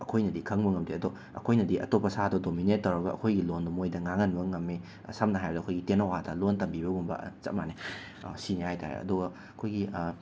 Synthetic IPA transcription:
ɐkʰojnɐdikʰɐŋbɐŋɐmdiɐdo | ɐ̰kʰojnɐdiʔɐtopːɐsadodominet̚ːɐwɾɐɡɐʔɐ̰kʰojɡilondɐmojdɐŋaŋɐnbɐŋɐmːe | sɐmnɐɦajbɐdɐkʰojɡitenɐwadɐlontɐmbibɐɡumbɐ̰t͡ʃɐ̰t̚mane | sinehajta̰ɾḛɐ̰duɡɐ | kʰojɡi

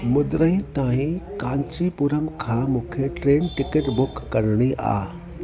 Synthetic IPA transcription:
mʊd̪ɾəĩt̪aːɦĩkãːɲt͡ɕipuːɾəmkʰãːmũːkʰeʈɾeːnʈɪkəʈbʊkːɐɾɽ̃iʔa̰ː

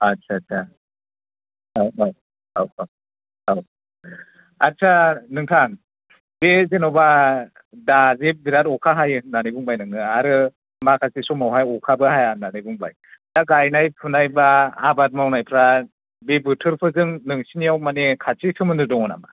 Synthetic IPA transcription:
asʰasʰa | awaw | a̰waw | aw | atsʰanɯŋtʰaŋ | bezenɔba | dazebiɾatɔkʰaɦajɯnanibɯŋbajnɯŋɯaɾɯ | makʰasisɔmawɦajɔkʰabɯhajananɯbɯŋba̰j | daɡajnajpʰunajbaːbat̚mawnajpʰɾa | bebɯtʰɯɾpʰɯzɯŋnɯŋsinijawmanekʰat͡ʃisʰɯmɯnɯdɔŋɔna̰ma̰

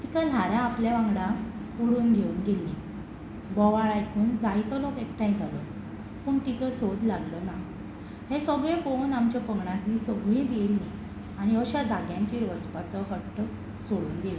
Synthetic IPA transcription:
t̪ikal̤aɾjãːpljaʋãŋɡɽaoɽuːnɡʱeuːnɡelːi | bɔʋaɭajkʰuːnd͡zait̪ɔlokek̚ʈ̪aĩd͡zʱalo | pəːɳt̪it͡səsod̪ʱlaɡləna | hẽsəɡɭẽfownamt͡ɕjapəɡɳãt̪nisəɡɭẽbelni | aɽ̃iəɕad͡zaɡjãɲt͡ɕeɾʋət͡spat͡sɔɦəʈː | soɽuːnɡelə

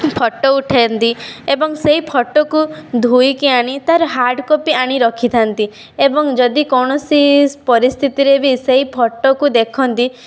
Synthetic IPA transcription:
pʰɔʈːɔuʈʰent̪iebɔŋseɦipʰɔʈːɔkud̪ʱujkiaɽ̃it̪aɾɦaɾɖkopiaɽ̃iɾɔkʰit̪ʰant̪i | ebɔŋd͡ʒɔd̪ikɔɽ̃ɔsipɔɾist̪ʰit̪iɾebiseɦipʰɔʈːɔkud̪ekʰɔnt̪i

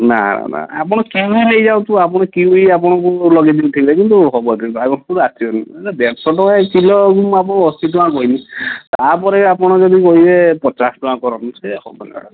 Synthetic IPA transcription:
na̰na̰na̰a̰pɔɽ̃ɔkiuilejd͡ʒaw̃t̪uap̬ɔɽ̃ɔkiuiap̬ɔɽ̃ɔ̃kulɔɡid̪ibut̪ʰibilakint̪uɦɔbɔkit̪aɡɔskuɾasʰiɔnad̪esɔʈɔekilɔɡumapɔɽ̃ɔst̪ʰit̪uãkɔɦinit̪apɔɾeapɔɽ̃ɔd͡ʒɔd̪ikɔɦilepɔt͡ʃasʈuãkɔɾɔnɔt̪ʰkehɔ̰bɔ̰na̰

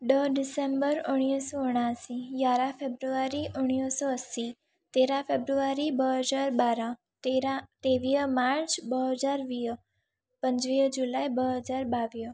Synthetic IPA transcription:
ɖ̪əɖisembəɾɔɽ̃ijəsoʊɽ̃asijaɾãfebɾuʋaɾiʔəɽ̃ijəsoəsi | t̪eɾãfebɾuʋaɾibəɦəd͡ʒaɾbaɾã | t̪eɾat̪eʋijəmaɾt͡ʃbəɦəd͡ʒaɾʋi | pəɲt͡ʃʋiəd͡ʒulajbəɦəd͡ʒaɾbaʋijə

